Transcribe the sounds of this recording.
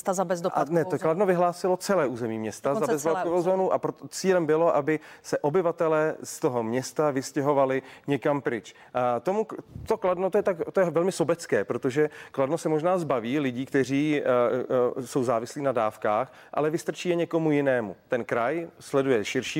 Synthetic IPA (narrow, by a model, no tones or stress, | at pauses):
t̪azabɛzanɛokladnovɪɦlaːsɪlot͡sɛlɛːʔuːzɛmiːmɲɛst̪azabɛzvlakovowzoːnuʔapɾot̪ot͡siːlɛmbɪlo̞ʔabɪsɛʔo̞bɪvat̪ɛlɛːst̪oɦo̞mɲɛst̪avɪscɛɦo̞valɪɲɛkampɾɪt͡ʃ | t̪omut̪okladnot̪ojɛt̪akt̪ojɛvɛlmɪso̞bɛt͡skɛːpɾot̪oʒɛkladnosɛmoʒnaːzbaviːlɪɟiːkt̪ɛr̝iː | so̞wzaːvɪsliːnadaːfkaːx | ʔa̰lɛvɪst̪r̩t͡ʃiːjɛɲɛko̞mujɪnɛːmut̪ɛnkɾajslɛdujɛʃɪɾʃiː